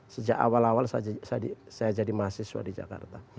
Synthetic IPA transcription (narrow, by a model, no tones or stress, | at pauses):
səd͡ʒaka̰walawalsaasadisajad͡ʒadimasɪsuwa̰did͡ʒa̰ka̰rt̪a